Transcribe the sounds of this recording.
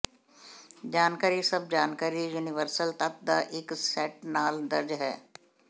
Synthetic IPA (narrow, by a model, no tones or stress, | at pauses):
d͡ʒaːnkaːɾisɐb̚d͡ʒaːnkaːɾijuːnɪʋəɾsəlt̪ət̪̚d̪aʔɪksɛːʈnaːld̪ɐɾd͡ʒɦɛ̰ː